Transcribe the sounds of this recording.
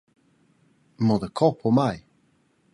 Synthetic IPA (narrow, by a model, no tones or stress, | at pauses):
mɔðəkʰɔpʰɔmaj